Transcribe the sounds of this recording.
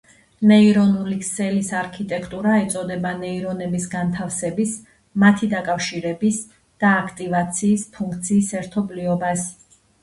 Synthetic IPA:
nɛiɾɔnulikʰsɛlisaɾkʰit̪ʼɛkʰt̪ʼuɾaɛt̪sʼɔd̪ɛbanɛiɾɔnɛbisɡant̪ʰafsɛbis | mat̪ʰid̪akʼafʃiɾɛbis | d̪̥aːkʰt̪ʼivat̪sʰiːspʰuŋkʰt̪sʰiːsɛɾt̪ʰɔbliɔbas

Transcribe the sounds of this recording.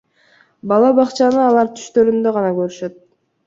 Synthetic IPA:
bɑlˠɑbɑqt͡ʃɑnɯɑlˠɑɾt̪ʰy̥ʃt̪ø̞ɾynd̪ø̞ʁɑnɑkøɾyʃø̞t̪̚

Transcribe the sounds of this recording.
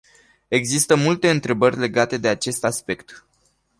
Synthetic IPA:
e̞ɡzist̪əmult̪e̞ɨnt̪ɾe̞bərʲle̞ɡat̪e̞d̪e̞at͡ʃe̞st̪aspe̞kt̪

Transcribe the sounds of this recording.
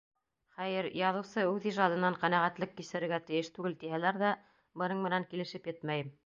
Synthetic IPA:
χæjɘɾjɑðɤ̆wsɤʉðiʒɑd̪ɤ̆nɑɴqænæʁæt̪lɘkːisɘ̆ɾɘ̆ɾɡæt̪ɘ̆jɘʃt̪ʉɡɘlt̪ihælæɾðæ | bɤ̆nɤɴmɘ̆næŋkilɘ̆ʃɘpjɘt̪mæjɘm

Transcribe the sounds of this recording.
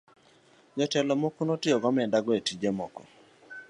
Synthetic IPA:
d͡ʒɔtɛlɔmokunotɪɔɡɔmɛdaɡɔetid͡ʒemɔkɔ

